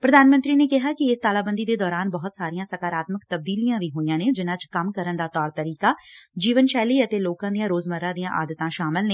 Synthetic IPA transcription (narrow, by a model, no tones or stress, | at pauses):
pɾəd̪aːnmənt̪ɾiːneːkɪɦaːkɪɪst̪aːlaːbə̃nd̪iːd̪eːd̪ɔːɾaːnbəɦʊt̪saːɾijãːsəkaːɾaːt̪məkt̪əb̚d̪iːlijãːʋiːɦoːijãːnẽːd͡ʒɪnãːt͡ʃkəmkəɾənd̪aːt̪ɔːɾt̪əɾiːkaːd͡ʒiːʋənʃɛːliːət̪eːloːkãːd̪ijãːɾoːzməɾãːd̪ijãːʔa̰ːd̪ət̪ãːʃaːmɪlneː